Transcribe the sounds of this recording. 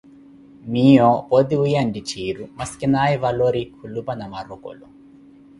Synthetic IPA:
miːoːpod̪iujandit͡ʃiːɾumɐskinaːjiʋɐloɾikʰulːupɐnɐmɐruko̰lu

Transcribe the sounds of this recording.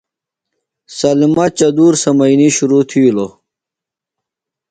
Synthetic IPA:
sɐlmɐt͡ɕɐd̪uːɾsɐmɐiniɕuɾuːt̪ʰiulo

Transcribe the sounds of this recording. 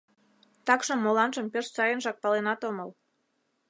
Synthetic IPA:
t̪ɑkʃŏmːolɑnʒə̆mpʲerʃt͡sɑjənʒɑk̚pɑlenɑt̪oməl

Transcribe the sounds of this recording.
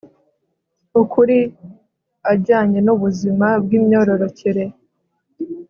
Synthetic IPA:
ukʰuɾi | aɾɟaːɲe̞nuβuzimab̚ɡiːmɲo̞ːɾo̞ɾo̞ciɾe̞

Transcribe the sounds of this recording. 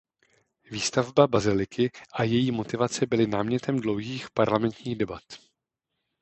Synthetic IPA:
viːst̪avbabazɪlɪkɪʔajɛjiːmo̞t̪ɪvat͡sɛbɪlɪnaːmɲɛt̪ɛmdlo̞wɦiːxpaɾlamɛnt̪ɲiːɣdɛbat̪

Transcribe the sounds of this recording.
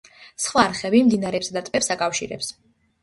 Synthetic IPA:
sχwaɾχɛbimd̪inaɾɛpsad̪at̪ʼmɛpsakʼafʃiɾɛ̰ps

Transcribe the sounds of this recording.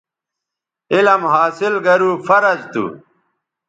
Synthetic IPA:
ilɐmɦaːsilɡɐɾuːfɐɾɐd͡ʑt̪ṵ

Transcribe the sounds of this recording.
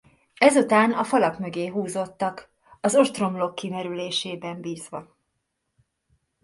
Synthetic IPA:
ɛzut̪aːnɒfɒlɒkmø̞ɡeːɦuːzo̞t̪ːɒk | ɒzo̞ʃt̪ro̞mlo̞kːimɛɾyleːʃeːbɛmbiːzʋɒ

